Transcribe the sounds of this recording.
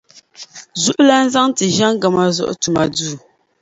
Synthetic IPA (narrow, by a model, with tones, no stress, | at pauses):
zu˦ʔla˦n̩˦za˦ŋti˨ʒa˦ŋ˦ɡa˨ma˨zɔ̰˦ʔtu˨ma˨duː˦˨